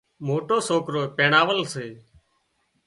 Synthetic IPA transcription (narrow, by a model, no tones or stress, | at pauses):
moːʈoːsoːkɾoːpeːɳaːʋəlseː